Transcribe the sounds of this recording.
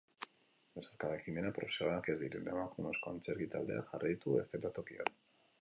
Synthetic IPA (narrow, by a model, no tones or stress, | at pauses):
beseɾkaðekime̞napɾo̞fesoɾake̞zd̪iɾene̞makumesko̞ant͡se̞ɾɣit̪ald̪e̞̰a̰ʝarajt̪ue̞̰st̪et̪at̪o̞kia̰t